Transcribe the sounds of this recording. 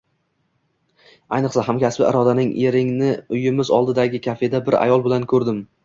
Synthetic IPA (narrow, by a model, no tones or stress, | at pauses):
ajnɨqsaɦamkʲʰaspɪ̰ʔɪ̰ɾɒd̪anɪŋʔeɾɪŋnɪʊjɪmɪzɒ̰lˠd̪ɪd̪aɡʲɪkʲʰafe̞d̪abɪɾa̰jɒlˠbɪlankʰɵɾd̪ɪm